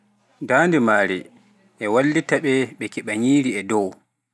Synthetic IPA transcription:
daːndimaːɾi | ʔɛwalːitaɓɛɓɛkiɓaɲiːɾiɛdɔw

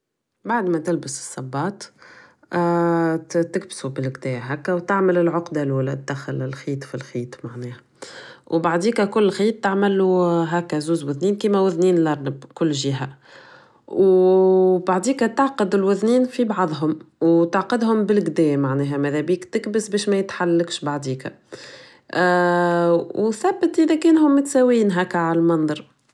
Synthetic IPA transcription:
baʕd̪mæt̪ɪlbəsɨ̥sˤːɑbːɑːt̪ˤ | t̪ɪk̚bsubɪlɡd̪ɛːɦækːæwt̪aʕməlɪlʕʊqd̪aluːlɛæxalɪlxiːt̪ˤfilxiːt̪ˤmaʕnɛːhæ | wbaʕd̪iːkækʊlːxiːt̪ːaʕmælːuɦæːkːæzuːzwʊðniːnkiːmæwʊðniːnlɑɾˤnəbkʊlːʒiɦæ | w | baʕd̪iːkæt̪ɑʕqəd̪ɪlwʊðniːnfibɑʕðˤɦʊmwt̪aʕqɪd̪ɦʊmbɪlɡd̪ɛːmaʕnɛːɦæmæðɛbiːkt̪ɪkbəsbɛːʃmæjət̪ħalːakʃbaʕd̪iːkæ̰ | wθæbːət̪ʔəðækɛːnhʊmːɪt̪sæwiːnɦæːkːʕalælmɑnðˤɑɾˤ

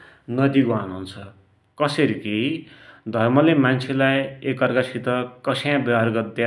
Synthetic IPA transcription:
nʌd̪iɡoanɦunt͡sʰʌ | kʌseɾiki | d̪ʱʌrmʌlemant͡sʰelajekʌrɡasʰit̪ʌkʌsʰjãbʌarɡʌd̪ja

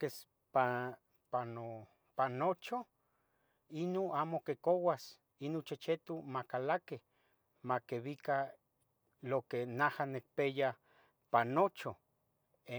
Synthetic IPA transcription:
kes | pa | pano | panot͡ʃo | inoamokekowas | inot͡ʃet͡ʃet̪umakalakeh | makeβika | lokenahanek̚peja | panot͡ʃo | e

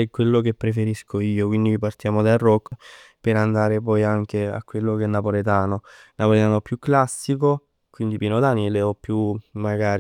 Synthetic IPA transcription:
ɛkːwelːokepːɾefeɾiskʰoiːokwind̪ivipart̪jaːmod̪arːɔkː | peɾand̪aːɾepɔjaŋkea̰kːwelːokɛnːapolet̪aːnonapolet̪aːnoɛpːjukːlasːiko | kwind̪ipinod̪aːnileɔpːjumːaɡaːɾi

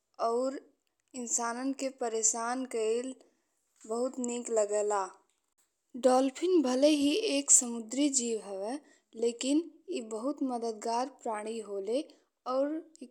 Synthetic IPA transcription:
ɔːɾ | ɪnsaːnənkepəɾeːsaːnkəɪl | bəɦʊt̪nikləɡɛːlaː | ɖɔːlpʰɪnbʱəleɦieːksəmʊd̪ɾid͡ʒiːʋɦəʋe | leːkinibəɦʊt̪məd̪əd̪ɡaːɾpɾaːɽ̃iɦole | ɔːɾ

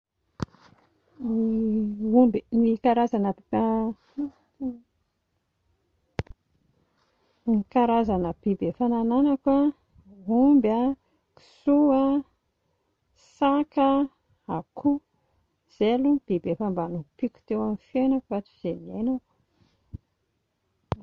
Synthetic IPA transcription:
iumbinikaɾazanə | mikaɾazanəb̥ibefanananakwa | umba | ki̥sua | sakə | akʰu | z̥elub̥ibefambanupikʲu̥t̪ewamifenəkvat͡ʃi̥z̥enenak

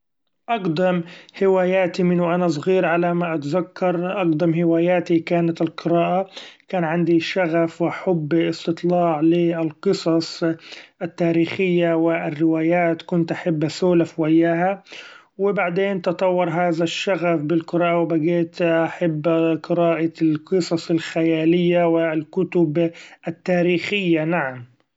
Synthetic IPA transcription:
ʔɑqd̪ɑmhɪwaːjaːt̪imɪnʊʔanas̬ˤɣiːɾʕalamaʔat̪zakːɑɾˤʔɑqd̪ɑmhɪwaːjaːt̪ikaːnat̪ɪlqɨɾɑːʔakaːnʕand̪iʃaɣafwɪħʊbːɪst̪ɨt̪ˤlɑːʕlɪɪlqɨsˤɑsˤʔat̪ːaːɾiːxɪjːawɪɪrːɪwaːjaːt̪kʊnt̪ʔaħabːasuːlafwajːaːɦa | wɪbaʕd̪eːnt̪ɑt̪ˤɑwːɑɾˤɦaːðaʃːaɣafbɪlqɨɾɑːʔawɪbaɡeːt̪ʔaħabːqɨɾɑːʔalqɨsˤɑsˤɪlxajaːlɪjːawɪlkʊt̪ʊbʔat̪ːaːɾiːxɪjːanaʕam

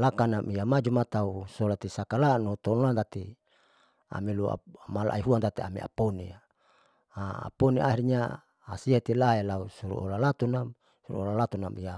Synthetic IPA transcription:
lakanamiamad͡ʒumat̪ausolat̪isakalanot̪onlant̪at̪i | a̰milua̰mala̰ʔa̰iɦuant̪at̪iamḭa̰ponḭa | aa̰poniʔaɦiɾɲaː | siat̪ilaelausuɾṵʔo̰lalat̪una | suɾṵolalat̪unamia

